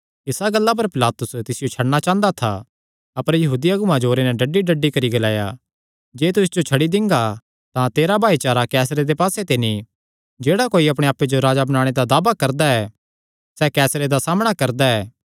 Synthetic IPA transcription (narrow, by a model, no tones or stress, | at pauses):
ɪsaɡɐlːap̬ɐɾpɪlaːt̪ʊst̪ɪsɪjot͡ʃʰɐɽñat͡ʃãːnd̪at̪ʰa̰ | ɐpəɾjɐɦuːd̪ijaɡʊmãd͡ʒoːɾenɛɖɐɖːiɖɐɖːikɐɾiɡɐlaːja̰ | d͡ʒeːt̪ʊsd͡ʒot͡ʃʰɐɽid̪ɪ̃ŋɡa | t̪ãt̪eːɾabʱaːit͡ʃaːɾakɛːsɾed̪epaːset̪enĩ | d͡ʒeːɽakoːiɐpɽ̃eaːpːed͡ʒoɾaːd͡ʒabɐnaːɽ̃ed̪ad̪aːbakɐɾd̪aɛː | sɛːkɛːsɾed̪asaːməɽ̃akɐɾd̪aɛː